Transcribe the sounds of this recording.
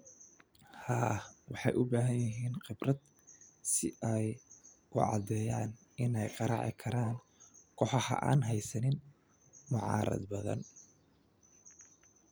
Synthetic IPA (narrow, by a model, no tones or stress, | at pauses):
haːwɑħɑjʔʊbaːɦɐnjɪɦiːnqɪbrɐd̪ | sɪʔɛjkʰʊʕɑ̰d̪ɛːjaːn | ʔɪnɛjqɑɾɑ̰ʕɪ̰kʰɐɾaːŋ | kʰɔħɑhɐ̰ʔa̰ːnɦɛjsɐnɪn | mʊʕɑ̰ːɾɐ̰d̪bɐðɐ̰n